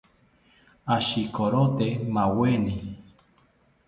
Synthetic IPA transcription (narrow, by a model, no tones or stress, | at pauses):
aʃikoɾot̪emãweni